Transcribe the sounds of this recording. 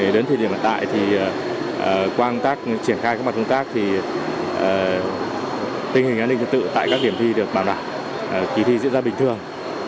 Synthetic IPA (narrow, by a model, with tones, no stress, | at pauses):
ɗəː˨˦nt̪ʰi˨˩ɗi˧˩əmha̰˧˨t̪a̰ː˧˨jt̪ʰi˨˩˨ | kwaː˧nt̪aː˦˥k̚t͡ɕi˧˩ənxaː˧jkːaː˦˥ma˨˩t̚kə˧ŋ͡mt̪aː˦˥k̚t̪ʰi˨˩ | ʔəː˨˩ | t̪i˧ŋ̟hï˨˩ŋ̟ʔa˧ni˧t̪ʰːt̪̚sɨ̰˧˨t̪a̰ː˧˨kaː˦˥k̚ɗi˧˩əmt̪ʰi˧ɗɨ˨˩ək̚ɓaː˧˩wɗaː˧˩w | ki˨˦t̪ʰi˧zḭ˧˥nzaː˧ɓï˨˩ŋ̟t̪ɨ˨˩əŋ